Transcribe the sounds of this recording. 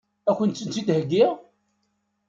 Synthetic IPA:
ækʷːənt͡sːənt͡sit̪həɡːiʁ

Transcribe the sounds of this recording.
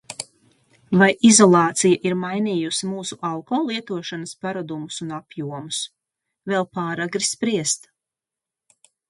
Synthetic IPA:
vajʔizɔlˠɑːt̪sijaʔiɾmajniːjusimuːsuʔalˠkɔːlˠiɛt̪uɔʃanɐspaɾad̪umusunapjuɔmus | vɛlˠpaːɾaɡɾispɾiɛst̪

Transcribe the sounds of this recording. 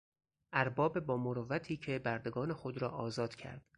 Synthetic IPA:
ʔæɾbɒːbebɒːmoɾovæt̪ʰiːcʰe̞bæɾd̪e̞ɡɒːne̞xod̪ɾɒːʔɒːzɒːd̪̥cʰæ̰ɾd̪̥

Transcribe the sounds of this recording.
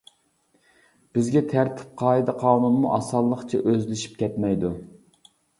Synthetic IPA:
b̥ɪzɡʲɛt̪ʰæɾt̪ʰɪ̥p̚qʰɑːɨd̪ɑqʰɑːnunmuʔɑsɑlˠːəχt͡ʃʰɛ̰ʔøzlɪʃi̥pkʲɛt̪mɛjd̪u

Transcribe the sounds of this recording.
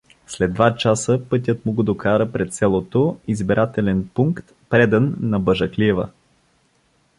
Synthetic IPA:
slɛd̪vat͡ʃasəpɤt̪̬ʲət̪mʊɡod̪okaɾəpɾɛt̪sɛlˠot̪oizbiɾʔat̪ɛlɛnpuŋkt̪ | pɾɛd̪ənːɐbəʒəkliɛvə̰

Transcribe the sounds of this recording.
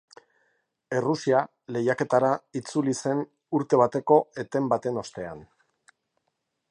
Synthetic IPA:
e̞rusia | le̞jake̞t̪aɾait͡sulise̞n | uɾt̪e̞β̞at̪e̞ko̞e̞t̪e̞mbat̪e̞no̞st̪e̞an

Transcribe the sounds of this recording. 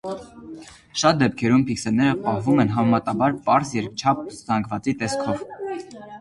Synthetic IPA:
ʃɑt̪̚d̪ɛp̚kʰɛɾumpʰiksɛnːɛɾəpɑhvumɛnɦɑmɛmɑt̪ɑbɑɾpɑɾsjɛɾt͡ʃʰɑp̚ʰz̥ɑŋɡvɑt͡sit̪ɛskʰɔv

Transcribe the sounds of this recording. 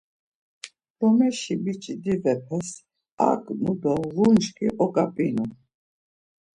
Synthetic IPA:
d̪̥ɔmɛʃibit͡ʃʼid̪ivɛpʰɛs | a̰kʼmud̪ɔvunʃkʼiʔɔkʼapʼinu

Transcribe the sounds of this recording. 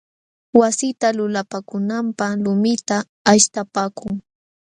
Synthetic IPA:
wasɪt̪alʊlapakʊnampalʊmɪt̪aː | ʃt̪apaːkʊŋ

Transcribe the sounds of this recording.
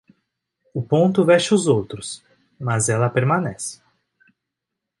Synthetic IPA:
ʊpõnt̪ʊvɛʃʊzowt̪ɾʊs | mɐzɛlɐpeɾmɐ̃nɛsɪ̥

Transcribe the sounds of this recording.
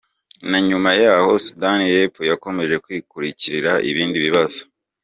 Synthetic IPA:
naɲumajaːho̞sudanijepujako̞me̞ʒe̞kwiːkuɾiciɾiɾaʔḭβiːndiβiβazo

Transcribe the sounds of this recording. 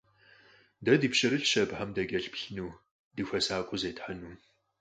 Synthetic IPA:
dɐdipʃɪɾɨɬʃɐbħamdɐɡʲɐɬpɬnuː | dɨxʷɐsaːkʷʼʊzeːtħanuː

